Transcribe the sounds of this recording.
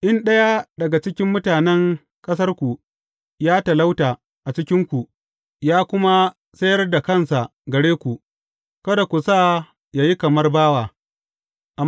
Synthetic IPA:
ʔɪ˦nɗɐ˦ja˦dɐ˨ɡa˨t͡ʃɪ˦kʲɪ˦mːʊ˦taː˨nɛ˦ŋ | kʼɐ˦s̬ɐ˦rkʷu˨ | jaː˦ta˨la˦wtaː˨ | ʔa˨t͡ʃɪ˦kʲɪ˦ŋkʷu˨ | jaː˦kʷʊ˦ma˦ | sɐ˦jɐ˦rda˨kɐ˦˨nsa˨ɡɐ˨ɽeː˦kʷu˨ | kɐ˦da˨kʷu˨sa˦ | ja˨ji˦kɐ˨mɐ˦rbaː˦waː˨ | ʔa˨

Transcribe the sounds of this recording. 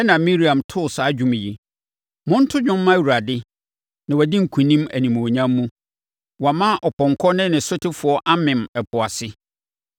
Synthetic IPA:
ɛ˦nã˨mĩ˦ɾi˨ã˨mtʰʊ˦˨saː˨˦d͡ʑᶣʊ̃˦m˨ji˨ | mʊ̃˦n̩˦tʰʊ˦ɲᶣʊ̃˦m̩ː˦ã˦˨wu˨ɾa˨dɪ˦ | nã˨wɔ˨dɪ̃˦ŋ̩˨kʰũ˨nĩ˦mæ̰˨nĩ˨m˨ɲã˦mːũ˦ | wɔ˨mã˦ʔɔ˨pɔ̃˨ŋ˨kʰɔ˦nɪ̃˦nɪ̃˨sʊ˦tʰɪ˦fʊ˨ɔ˦ʔa˦mɪ̃˨mɛ˨pʰʊ˨a˨sɪ˦

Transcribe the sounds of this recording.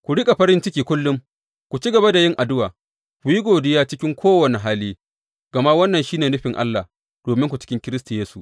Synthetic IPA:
kʷu˨ɽɪ˦kʼa˨ɸɐ˦ɾɪ˦nt͡ʃɪ˦kʲiː˨kʷʊ˦lːʊ˦m | kʷu˨t͡ʃi˦ɡɐ˨ba˦da˨jɪ˦ŋʔa˨dʊ˦waː˨ | kʷu˨ji˦ɡʷoː˨dɪ˦jaː˦t͡ʃɪ˦kʲɪ˦ŋkʷʰoː˦wɐ˨ne˨ɦaː˦liː˦ | ɡ̥ɐ˨ma˦wɐ˦nːɐ˨nʃiː˦neː˨nʊ˦ɸɪ˨ŋʔa̰˦lːa˨ | d̥oː˨mɪ˦ŋkʷu˨t͡ʃɪ̥˦kʲɪ˦ŋkʲɪ˦ɾɪ˦sta˨jeː˦su˨ʔ

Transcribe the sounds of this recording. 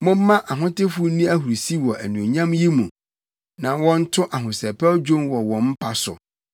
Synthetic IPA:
mʊ̃˦m̩˦mã˦ʔa˨ɦʊ̃˦tɪ˦fʊ˦nĩ˦æ˦ɦu˨ɾsi˦wɔ˨ʔæ˨nũ˨o˨ɲã˦mji˦mũ˨ | nã˨wɔ̃˦n̩˦tʰʊ̃˦ʔa˨ɦʊ̃˨sɛ˨pɛ˦ɔ˦d͡ʑᶣõ˦nwɔ˨wɔ̃˨m̩˦pʰa˨sʊ̰˨

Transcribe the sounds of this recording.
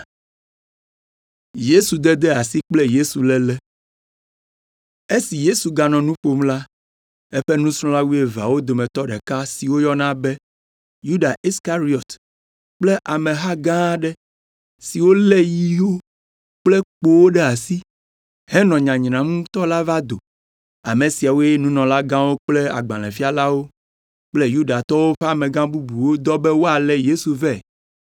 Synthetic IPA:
je˦su˨d̪ɛ˦d̪ɛ˦a˨si˦k͡plɛ˦je˦su˨lɛ˦lɛ˦ | e˦si˨je˦su˨ɡa˨nɔ̃˨nũ˦ɸo˦mla˦ | e˦ɸe˦nũ˦sɾ̃ɔ̃˦la˦wu˦e˨va̰˨wo˦d̪o˨mɛ̃˨t̪ɔ˦ɖɛ˨ka˦si˨wo˦jɔ˦nã˦bɛ˦ | ju˦ɖa˨ʔi˦ska˦ɾi˦ɔ˨t̪ | k͡plɛ˦ʔa˨mẽ˨ɦa˦ɡã˦ɖɛ˦ | si˨wo˦lɛ˦ji˦wo˦ | k͡plɛ˦k͡po˦wo˦ɖɛ˦a˨si˦ | hɛ˦nɔ̃˨ɲã˨ɲnã˨mũ˦t̪ɔ˦la˦va˦d̪o˨ | a̰˨mẽ˨si˨a˨wo˦jɛ˦nũ˦nɔ̃˨la˦ɡã˦wo˦k͡plɛ˦a̰˨ɡ͡bã˨lɛ̃˨fi˦a˨la˦wo˦ | k͡plɛ˦ju˦ɖa˨t̪ɔ˦wo˦ɸɛ˦a˨mɛ̃˨ɡã˦bu˦bu˨wo˦d̪ɔ˦bɛ˦wo˦a˨lɛ˦je˦su˨vɛ˦˨

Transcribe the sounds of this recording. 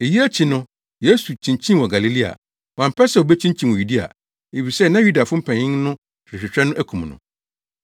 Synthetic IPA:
e˨ji˦æ˦t͡ɕʰi˨nʊ̃˦ | je˦su˨t͡ɕʰĩ˨ɲ˨t͡ɕʰĩ˦˨wɔ˨ɡa˨li˨li˦a̰˨ | wã˨m̩˨pʰɛ˦sɛ˦˨o˨bɛ˦t͡ɕʰĩ˦ɲt͡ɕʰĩ˦n˨wɔ˨ju˨di˦a̰˨ | e˨fi˨sɛ˦nã˦ju˦da˨fʊ̃˦m̩˦pʰɛ̃˨ɲɪ̃˦nʊ̃˦ | ɾɪ˨ɕᶣɪ˨t͡ɕᶣɾɛ˦nʊ̃˦ʔæ˦kʰũ˨mnʊ̰̃˨

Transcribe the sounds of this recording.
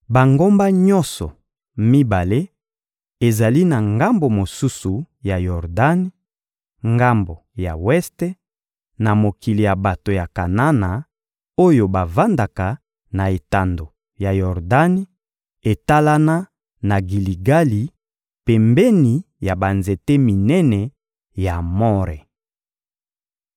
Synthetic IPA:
ba˨ŋɡo˦mba˦ɲɔ˦nsɔ̰˨ | mi˦ba˨le˦ | e˨za˨li˦na˨ŋɡa˦mbo˨mo˨su˦su˨ | ja˨jɔ˨ʁda˦ni˦ | ŋɡa˦mbo˨ja̰˨wɛ˦ste˦ | na˨mo˨ki˨li˨ja˨ba˨to˨ja˨ka˨na˦na˨ | o˦jo˨ba˨va˦nda˨ka˨ | na˨e˨ta˨ndo˨ | ja˨jɔ˨ʁda˦n˦ | e˨ta˦la˦na˦ | na˨ɡi˨li˨ɡa˦li˨ | pɛ˨mbɛ˦ni˨ | ja˨ba˨nze˨te˦mi˨nɛ˦nɛ˨ | ja˨mɔ˦ʁɛ˨

